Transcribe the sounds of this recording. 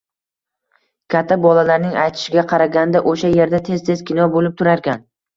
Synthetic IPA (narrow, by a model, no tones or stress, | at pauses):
kʲʰat̪ʰːabɒlalaɾnɪŋajt̪ʰɪ̥ʃɪɡʲaqʰɑɾaɡʲand̪aʔoʃaje̞ɾd̪at̪ʰe̞z̥t̪ʰezkʲɪnɒbolɪp̚t̪ʰʊɾaɾkʲan